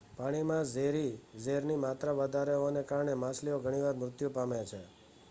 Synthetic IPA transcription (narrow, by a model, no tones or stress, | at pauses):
paɽ̃imãzeɾizeɾnimat̪ɾaʋəd̪ʱaɾeɦoʋanekaɾɳemãslioɡʱəɽ̃iʋaɾmɾʊt̪jupamet͡ʃʰe